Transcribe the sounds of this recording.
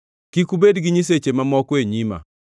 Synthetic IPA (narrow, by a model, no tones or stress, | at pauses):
kikubedɡɪɲis̬et͡ʃemamɔkeɲima̰